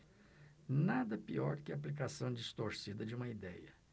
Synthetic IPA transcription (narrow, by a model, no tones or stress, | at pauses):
nad̪ɐpiɔɾkɪaːplikasɐ̃w̃d͡ʒist̪oɾsid̪ɐd͡ʒɪũmɐid̪ɛjɐ